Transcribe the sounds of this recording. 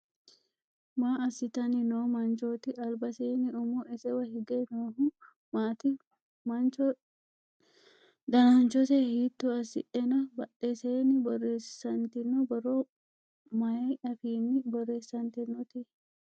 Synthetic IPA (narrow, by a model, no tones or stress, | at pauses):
maːɐsɪt̪ɐnɪnoːmɐnt͡ʃoːt̪ɪʔɐlbɐseːnɪɔmɔʔɛsɛwɐhɪɡenoːh | maːt̪ɪ | mɐnt͡ʃɔ | d̪ɐnant͡ʃɔsehiːt̪ːuɐsɪ̰ʔɛnɐbɐʔeseːnɪbɔrːe̞ːssɐnt̪ɪnːɔbɐɾoː | mɐeɐfiːnɪbɔrːe̞ːsːɐnt̪ɪnːɔt̪ɪ